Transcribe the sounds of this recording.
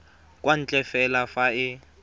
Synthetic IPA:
kʼwan̩t͡ɬʼɛfɛlafaɪ

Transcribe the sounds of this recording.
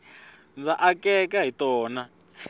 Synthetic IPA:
nd͡zaʔakɛkaɦitɔːna

